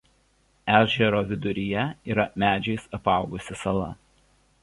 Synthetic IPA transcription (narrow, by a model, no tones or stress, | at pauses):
æːʒʲɛɾoːʋʲɪd̪ʊɾʲɪjɛiːɾɐmʲæːd͡ʒʲɛɪsɐpɑˑʊɡʊsʲɪsɐlˠɐ̰